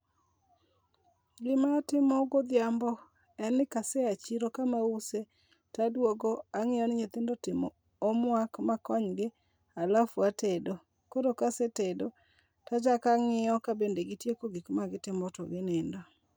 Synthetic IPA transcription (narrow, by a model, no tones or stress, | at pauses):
ɡɪmatɪmɔɡod̪ɪjambɔ | ɛnɪkasɛat͡ʃiɾokamause | tadwoɡoaŋɪjɔnɪɲet̪ɪndotɪmɔː | mwakmakɔɲɡɪ | alafwatedo | koɾokasetedo | tad͡ʒakaŋɪɔkabendeɡɪtjekoɡikmaɡɪtɪmɔtɔɡɪnɪndɔ